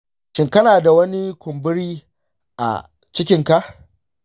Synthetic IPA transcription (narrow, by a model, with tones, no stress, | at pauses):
ʃɪ˨ŋkɐ˦naː˨da˨wɐ˦ni˦kʷʊ˨mbɪ˦ɾiː˦ | ʔa̰˨ | t͡ʃɪ˦kʲɪ˦ŋka˦ʔ